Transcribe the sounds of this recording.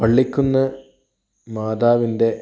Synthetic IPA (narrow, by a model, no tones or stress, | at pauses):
pɐɭːikʲːunːɐ | maːd̪aːʋinde̞